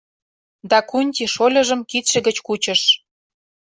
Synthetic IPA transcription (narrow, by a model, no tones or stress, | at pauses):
d̪ɑkunʲtʲiʃolʲɤ̆ʒə̆mkit̪ʃĕɣə̆t͡ɕkut͡ɕə̆ʃ